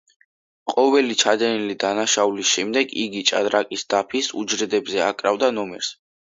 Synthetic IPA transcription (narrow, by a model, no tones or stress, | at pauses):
qʼɔvɛlit͡ʃʰad̪ɛnilid̪anaʃaulisʃɛmd̪ɛɡiɡit͡ʃʼa̰d̪ɾakʼisd̪̥apʰisṵd͡ʒɾɛd̪ɛbzɛa̰kʼɾavd̪anɔmɛɾs